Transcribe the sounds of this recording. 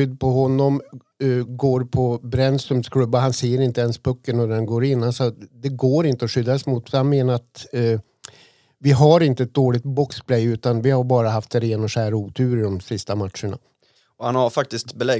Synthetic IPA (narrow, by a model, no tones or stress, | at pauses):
ʏd̪ːpʰɔɦɔnːɔm | ɡoːɾpʰɔbɾɛnsɵmskʰlɵbːaɦanseːəɾɪnt̪əɛnspʰɵkːənɔd̪ɛnɡoːɾɪnːansɔd̪ɛɡoːɾɪnt̪əɔʂʏd̪ːasmuːt̪fhanmeːnaɾat̪ː | vɪɦaɾɪnt̪əɛt̪̚d̪oːɭɪɡ̚t̪̚bɔkspʰlɛjʉ̟ːt̪anvɪhaɾbɑːɾaɦaft̪ɾeːnɔʂæːɾuːt̪ʰʉ̟ːɾɪd̪ɔmsɪst̪amat̪ʂəɳa̰ | ɔhanhaɾfak̚t̪ɪst̪bɛlɛ